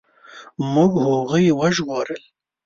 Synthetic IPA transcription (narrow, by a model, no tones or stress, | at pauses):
mʊɡhoɣəjwaʒwɑɾəl